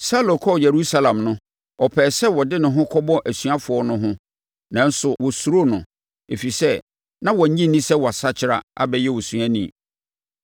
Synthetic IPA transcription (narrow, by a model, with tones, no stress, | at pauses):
sa˦lo˨kʰɔ˦˨jɛ˨ɾu˦sa˦lã˨mnʊ̃˦ | ɔ˨pʰɛː˨sɛ˦wɔ˨dɪ˦nʊ̃˨ɦʊ̃˦kʰɔ˦bɔ˦ʔæ˨sɥa˦fʊ˨ɔ˦nʊ̃˦ɦʊ̃˦ | nã˨˦n̩˦sʊ˨wɔ˨su˨ɾo˦nʊ̃˨ | e˨fi˨sɛ˦ | nã˦wɔ̃˨ɲ̩˦ɲĩ˦n˦nĩ˦sɛ˦wɔ˨a˨sa˦t͡ɕʰɪ˨ɾa̰˨a̰˦bɛ˦jɛ˦wɔ˨su˨ã˦nĩ˨